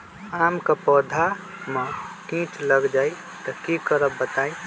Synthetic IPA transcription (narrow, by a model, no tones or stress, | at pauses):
aːmkapɔːd̪ʱa | mãkĩt͡ʃləɡd͡ʒaːi | t̪ɔkikəɾəbːət̪aːi